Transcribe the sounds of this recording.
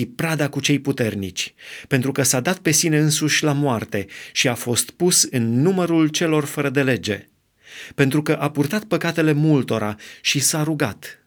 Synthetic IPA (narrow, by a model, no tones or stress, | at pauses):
ipɾad̪akut͡ʃe̞jput̪e̞rnḭt͡ʃʲpe̞nt̪ɾukəsad̪at̪̚pe̞sine̞ɨnsuʃʲlamoart̪e̞ʃiafo̞st̪pusɨnːuməɾult͡ʃe̞lo̞rfəɾəd̪e̞le̞d͡ʒe̞̰ | pe̞n̪t̪ɾukəʔapurt̪at̪̚pəkat̪e̞le̞mult̪o̞ɾaʃisaɾuɡat̪